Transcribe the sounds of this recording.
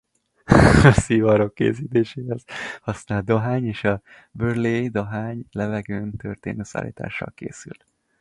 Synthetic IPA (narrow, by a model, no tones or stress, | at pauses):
ɒsivɒɾokːḛːsiːt̪eːʃeːhɛz̥hɒsnaːl̚d̪o̞ɦaːɲeːʃɒ | børleːd̪oɦaːɲlɛvɛɡøːnt̪ø̰rt̪ḛːnøːsa̰ːlḭːt̪a̰ːʃːɒ̰lkḛːsy̰l